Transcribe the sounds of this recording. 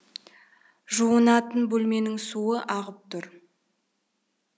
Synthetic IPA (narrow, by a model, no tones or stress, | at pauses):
ʒuənɑt̪ənbɵlme̞nɪŋsuəʔɑʁəp̚t̪ʰʊɾ